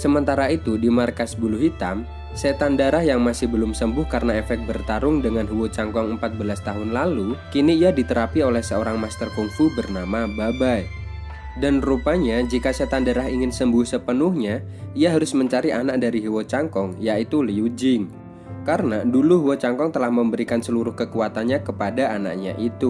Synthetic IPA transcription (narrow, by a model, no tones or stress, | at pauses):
səmənt̪aɾait̪udimarkasbuluɦit̪a̰m | set̪andaɾahjaŋmasɪhbəlʊmsəmbʊhkaɾənaefɛk̚t̪̚bərt̪aɾʊŋdəŋanɦuwot͡ʃaŋkɔŋəmpat̪̚bəlast̪aɦʊnlalukiniːjadit̪əɾapiolɛhsəoɾaŋmast̪ərkuŋfubərnamababai | danrupaɲad͡ʒikasat̪andəɾaɦiŋɪnsəmbʊhsəpənʊhɲa | iaɦaɾʊsməɲt͡ʃaɾianak̚daɾiɦuwot͡ʃaŋkɔŋjait̪uliud͡ʒɪŋ | kaɾənaduluɦuwot͡ʃaŋkɔŋt̪əlahməmbəɾikansəluɾʊhkəkuat̪anɲakəpadaana̰ʔ̚ɲa̰ʔit̪u